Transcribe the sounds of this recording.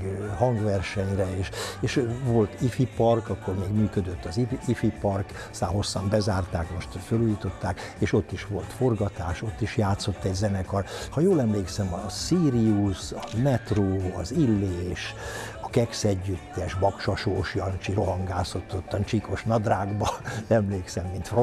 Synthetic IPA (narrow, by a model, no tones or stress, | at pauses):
hɒŋɡʋɛrʃɛɲrɛeːʃeːʃʋo̞lt̪ifipɒrkɒkːo̞rmeːɡmyːkød̪øt̪ːɒziifipɒrk | st̪aːnɦo̞sːɒmbɛzaːrt̪aːkmo̞ʃt̪føluːjit̪o̞t̪ːaːk | eːʃo̞t̪ːiʃʋo̞lt̪fo̞rɡɒt̪aːʃo̞t̪ːiʃjaːt̪so̞t̪ːɛɟzɛnɛkɒrhɒjoːlɛmleːksɛmɒsiːɾiusɒmɛt̪roːɒzilːeːʃ | ɒkɛksɛɟːyt̪ːɛʃbɒkʃɒʃoːʃjɒnt͡ʃiɾoɦɒŋɡaːso̞t̪ːot̪ːɒnt͡ʃiko̞ʃnɒd̪raːɡbɒɛmleːksɛmːint̪ro